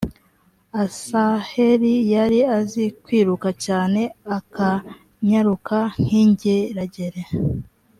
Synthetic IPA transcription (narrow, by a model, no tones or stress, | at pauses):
asahe̞ɾijaɾiazikwiːɾukacaːne̞aka | ɲaɾukaŋ̥hiɲɟeɾaɟeɾe